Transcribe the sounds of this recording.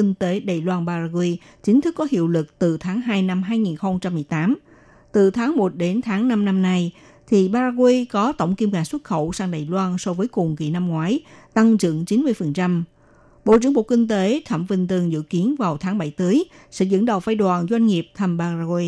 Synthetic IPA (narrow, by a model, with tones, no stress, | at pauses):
i˧ŋ̟t̪e˨˦ɗaː˨˩jlwaː˧nɓaː˧zaː˧kwi˧ | t͡ɕï˨˦ŋ̟t̪ʰɨ˦˥kːɔ˨˦hḭ˧˨əwlɨ˨˩k̚t̪ɨ˨˩t̪ʰaː˨˦ŋɦaː˧jna˧mɦaː˧jŋi˨˩nxə˧wŋ͡mt͡ɕa˧mːɨ˨˩əjt̪aː˨˦m | t̪ɨ˨˩t̪ʰaː˨˦ŋmo˨˩t̚ɗe˨˦nt̪ʰaː˨˦ŋna˧mna˧mna˧j | t̪ʰi˨˩ɓaː˧zaː˧ɣwi˧kɔ˨˦t̪ə̰˧˩wŋ͡mki˧mkaː˧˩swə˦˥t̚xə˧˩wsaː˧ŋɗaː˨˩jlwaː˧nsɔ˧vəː˨˦jkʊ˨˩ŋ͡mkḭ˧˩na˧mŋwaː˨˦jt̪a˧ŋzɨ̰˧˨əŋt͡ɕi˨˦nmɨ˧əjfə˨˩nt͡ɕa˧m | ɓo̰˧˨ʔt͡ɕɨ˧˥əŋɓo̰˧˨˩kï˧ŋ̟t̪e˨˦t̪ʰə˧˩mvï˧ŋ̟t̪ɨ˨˩əŋzɨ̰˧˨ki˨˦ənvaː˨˩wt̪ʰaː˨˦ŋɓa˧˩jt̪əː˨˦j | sɛ̰˧˥zɨ̰˧˥nɗə˨˩wfaː˧jɗwaː˨˩nzwa˧jŋ̟ŋi˨˩əp̚t̪ʰə˧mɓaː˧za˧ɣwi˧